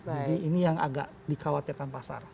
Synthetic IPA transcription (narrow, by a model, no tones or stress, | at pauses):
d͡ʒadiːnijaŋa̰ɡa̰ʔ | dikawat̪irkanpasa̰r